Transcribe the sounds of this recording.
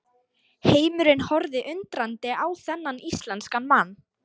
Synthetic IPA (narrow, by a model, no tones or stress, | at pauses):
heːjmʏɾɪnhɔɾðɪʔʏnt̪ɾant̪ɪʔaːwθɛnːanist̪lɛnskanmanː